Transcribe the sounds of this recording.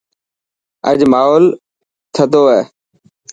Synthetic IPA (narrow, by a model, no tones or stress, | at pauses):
ə̰ʄmaːɦoːl | t̪ʰəd̪ʱoːɦɛː